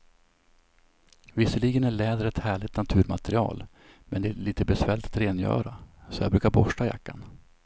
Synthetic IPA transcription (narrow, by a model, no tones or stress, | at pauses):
vɪsːəɭiɡənæɭɛːd̪əɾɛt̪hæːɭɪt̪nat̪ʰʉ̟ːɾmat̪ɛɾɪɑ̰ːl | mɛnd̪ɛːɭiːt̪əbɛsvɛːlɪt̪at̪ɾeːnjœ̰ːɾasɔja̰bɾʉ̟ːkaɾbɔʂʈaja̰kːan